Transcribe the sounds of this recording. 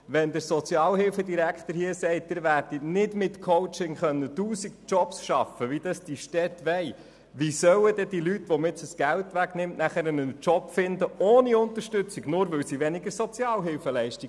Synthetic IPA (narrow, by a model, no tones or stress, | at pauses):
ʋɛnd̪əɾsɔt͡sjɑːlɦɪlfədiɾækχt̪əɾhiəsɛɪt̚d̥̪ɪːɾʋæɾd̥inɪdmɪt̪kʰoʊt͡ʃɪŋχœnːət̪uːsikt͡ʃɔpsʃɑfəʋid̥ɑsd̥iʃtɛt̪ʋɛɪ | ʋisœwəd̥ɛd̥̪ilytːʋɔmɪt͡səsɡ̥æltʋæɡnɪmtnæχəɾənənt͡ʃɔpfɪnd̪əʔoːniʊnt̪əɾʃtʏt͡siɡnʊːɾʋɪwsiʋɛnɪɡəɾsɔt͡sjɑːlɦɪlfəlɛɪʃtiɡ